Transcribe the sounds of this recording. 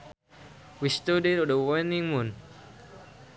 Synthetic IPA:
wist̪odetɔdəwɔnĩŋmũn

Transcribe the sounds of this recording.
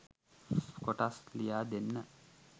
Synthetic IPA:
skoʈaslijaːd̪enːə

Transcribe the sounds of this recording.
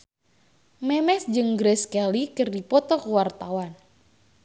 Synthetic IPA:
mɛmɛsd͡ʒɨŋɡɾɛskɛlikɨrdipɔt̪ɔkuwart̪awan

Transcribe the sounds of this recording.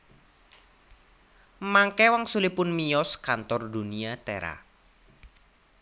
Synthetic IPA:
maŋkɛwaŋsulipʊnmijɔskant̪ɔrd̪uniat̪ɛ̰ɾa̰

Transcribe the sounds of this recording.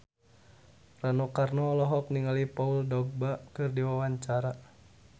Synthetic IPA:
ranɔkarnɔlɔɦɔkniŋalipauldɔɡ̚bakɨrdiwawaɲt͡ʃaɾa

